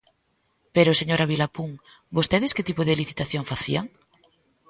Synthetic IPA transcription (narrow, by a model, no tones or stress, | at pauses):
peɾʊseɲoɾaβilapuŋ | bost̪eðɪskɪt̪ipoðeliθit̪aθjoŋfaθḭaŋ